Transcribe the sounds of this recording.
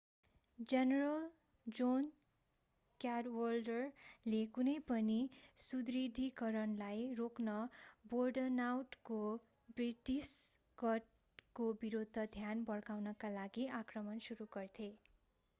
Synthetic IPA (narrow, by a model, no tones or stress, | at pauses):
d͡zenerʌl | d͡zon | kjaɾwʌlɖʌrlekunʌjpʌnisud̪rid̪ʱikʌɾʌnlajroknʌborɖʌnawʈko | briʈis | ɡʌʈ | kobiɾod̪ʱːʌd̪ʱjanbʌrɡawnʌkalaɡiakrʌmʌnsuɾuɡʌrt̪ʰe